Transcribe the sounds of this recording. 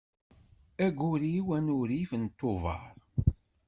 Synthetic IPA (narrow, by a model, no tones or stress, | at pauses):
æɡʷʊɾiwænʊɾifənt̪ːovɑ̰ɾˤ